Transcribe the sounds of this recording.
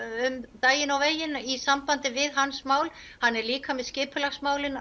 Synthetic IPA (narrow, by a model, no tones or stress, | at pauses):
ʏmt̪aːjɪnawveːjɪnisampant̪ɪvɪðɦanːsmaːwl | hanːɛɾliːkamɛðscɪːpʏlaɣsmaːwlɪn